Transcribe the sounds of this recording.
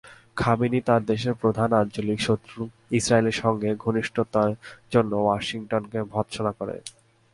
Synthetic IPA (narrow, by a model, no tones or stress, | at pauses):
kʰabinit̪aɾd̪eʃ̬eɾpɾod̪ʱanant͡ɕolikʃot̪ːɾu | isɾaeleɾʃɔŋɡeɡʱoniʃʈʰot̪aɾd͡ʑonːowaʃiŋʈonkebʱɔtːʃonakoɾḛ